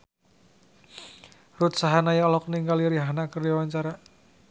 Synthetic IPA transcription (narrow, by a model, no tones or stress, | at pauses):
rut̪saɦanajɔlɔk̚niŋɡaliɾiɦanakərdawaɲt͡ʃaɾa